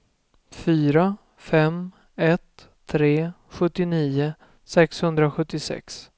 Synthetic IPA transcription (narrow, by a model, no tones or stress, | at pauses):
fyːɾa | fɛm | ɛt̪ʰː | ɾeː | ɧɵt̪ːɪniːʊ | sɛkshɵnd̪ɾaɧɵt̪ːɪsɛ̰ks